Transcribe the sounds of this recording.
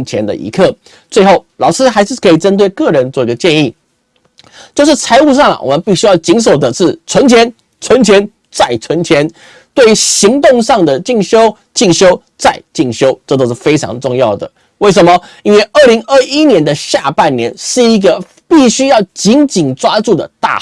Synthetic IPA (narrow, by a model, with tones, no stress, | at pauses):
t͡ɕʰjɛ˧˥nd̪ə̰˧ʔḭ˧˥kʰɤ˥˩ | t͡swe˥˧ɪxo˥˩ʊlɑ˨˩ʊʂɻ̩˥xa˧˥ɪʂɻ̩˥˩kʰɤ˧˥i˨˩ʈ͡ʂə˥nt̪we˥˩ɪkɤ˥˩ɻə˧˦nt͡swɔ˥˧˩i˧˥ɡə˧t͡ɕjɛ˥˧ni˥˩ | t͡ɕjo˥˧ʊʂɻ̩˥˩t͡sʰa˧˥ɪu˥˧ʂ̬ɑ˥˩ŋlə̰˩wɔ̰˨˩mə˧˦npi˥˩ɕy˥jɑ˥˩ʊt͡ɕi˧˥ns̬o˨˩ʊd̪ə˦ʂɻ̩˥˩t͡sʰwə˧˥nt͡ɕʰjɛ˧˥n | t͡sʰwə˧˦˥nt͡ɕʰjɛ˧˥n | t͡sa˥˩ɪt͡sʰwə˧˥nt͡ɕʰjɛ˧˥n | t̪we˥˩ɪy˧˥ɕi˧˥ŋt̪ʊ˥˧ŋʂɑ˥˩ŋd̪ə˨˩t͡ɕi˥˩ŋɕjo˥ʊ | t͡ɕi˥˩ŋɕjo˥ʊ | t͡sa˥˧ɪt͡ɕi˥˩ŋɕjo˥ʊʈ͡ʂɤ˥˩t̪o˥ʊʂ̩˥˩fe˥ɪʈ͡ʂʰɑ̰˧˥ŋʈ͡ʂʊ˥˧ŋjɑ˥˩ʊd̪ə̰˩ | we˥˩ɪʂ̬ə˨˩nmə˧i˥nwe˥˧ɪʔə˥˩li˧˥ŋə˥˩i˦˥njɛ˧˦˥nd̪ə˧ɕja˥˧pa˥˩nnjɛ˧˥nʂɻ̩˥˩i˧˥ɡə˧ | pi˥˩ɕy˥jɑ˥˩ʊt͡ɕi˧˥nt͡ɕi˨˩nʈ͡ʂwa˥ʈ͡ʂu˥˩d̪ə̰˩t̪a̰˥˩